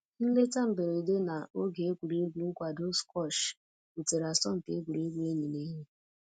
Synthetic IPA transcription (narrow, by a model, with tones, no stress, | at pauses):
n̩˦le˦ta˦m̩˨be˨ɾe˨de˦na˨o˦ɡe˨e˦kʷu˨ɾe˦ɡʷu˨ŋ̩˦kʷa˨do˦skɔ˦˨ʃ | u˨te˨ɾa˨sɔ˦m̩˨te˦ɡʷu˨ɾe˦ɡʷu˦e˦ɲi˨ne˦ɲe˦